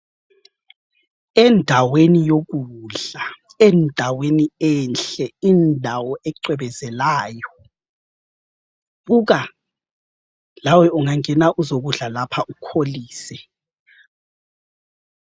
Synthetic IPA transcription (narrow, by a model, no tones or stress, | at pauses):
ɛndʱawenijok̬uɮa | ɛndʱaweniɛnɬɛindʱawɔʔɛǃɛɓɛzɛlaːjɔ | ɣuk̬a | lawɛuŋaŋɛnaʔuzok̬uɮalapʰaʔukʰoliːsɛ